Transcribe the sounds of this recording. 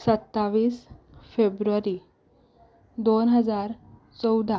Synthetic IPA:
sət̪ːaʋiːs | febɾuəɾi | d̪onɦəd͡zaɾ | t͡sɔwd̪ʱa

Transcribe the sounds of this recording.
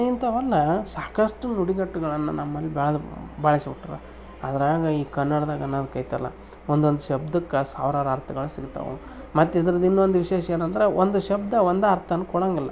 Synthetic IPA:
int̪ʰɐʋɐlːɐsaːkɐʂʈunuɽiɡɐʈːuɡɐɭɐnːunɐmːɐlːibaːɭɐd̪ubaːɭisbiʈːiɾɐ | ɐd̪ɐɾaːɡɐiːkɐnːɐɽɐd̪ɐɡɐnːaːd̪ɐkːɐjt̪ɐlːɐ̰ | ond̪ond̪uʃɐb̚d̪ɐkːɐsaːʋɾaːɾaːɾt̪ʰɐɡɐɭusiɡt̪ɐ̰ʋṵ | mɐt̪ːid̪ɐɾɐd̪inːʋond̪uʋiʂeːʃɐjeːnɐnd̪ɐɾeʔond̪uʃɐbd̪ɐond̪aːɾt̪ʰɐnːukɔɽaːŋɡɐlːɐ̰

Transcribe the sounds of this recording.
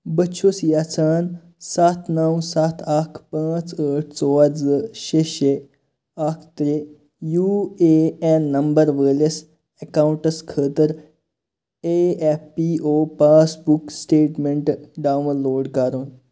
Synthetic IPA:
bəɕʰosjat͡sʰaːn | sat̪ʰnəwsat̪ʰakʰpãt͡səʈ̚ʰt͡sɔʋad͡zəɕeɕe | akʰt̪ɾe | jueenːəmbəɾʋəles | əkawɳʈəskʰəːt̪əɾ | eɛfiopasbuksʈeːʈmeɳʈɖawnloːɖkaɾuːn

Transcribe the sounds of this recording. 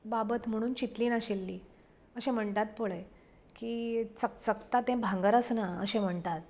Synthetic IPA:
babət̪m̤əɽ̃uːnt͡ɕit̪liːnaɕelːiː | əɕẽm̤əɳt̪at̪̚poɭəj | kiːt͡sək̚t͡səkt̪at̪ẽbʱãŋɡəɾət͡snaəɕẽm̤əɳt̪at̪̚

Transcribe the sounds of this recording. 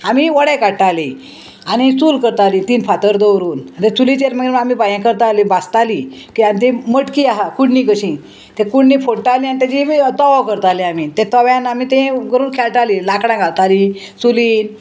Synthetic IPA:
amiʋəɽekaʈali | añit͡suːlkəɾt̪alit̪iːnpʰat̪əɾd̪əwɾuːnt̪et͡sulit͡ɕeɾməɡeamibajãkəɾt̪alĩbast̪alikianit̪ẽməʈkiaɦakuɽnikəɕĩ | t̪ẽkuɽniːpʰoɽʈalianit̪ad͡ʑit̪ɔʋakəɾt̪aliamit̪ẽt̪ɔʋjãnamit̪ẽɡəɾuːnkʰɛlʈalilakɽãɡʱalt̪ali | t͡suliːn

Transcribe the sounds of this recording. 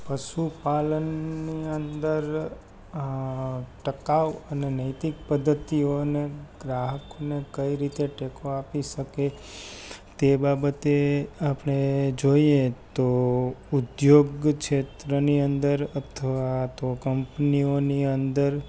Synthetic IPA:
pəʃupalənːiənd̪əɾ | ʈəkaʋənenəjt̪ik̚pəd̪ʱːət̪ioneɡɾaɦəkonekəiɾit̪eʈekoapiʃəke | t̪ebabət̪eapɳ̃ed͡ʒoiet̪oud̪joɡkʃʰet̪ɾəniənd̪əɾət̪ʰəʋat̪okəmpnioniənd̪əɾ

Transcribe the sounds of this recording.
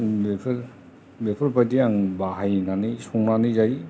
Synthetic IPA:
bepʰɾ | bepʰɯɾpadiaŋbaɦajnanɯjsɔŋnanɯjzaj

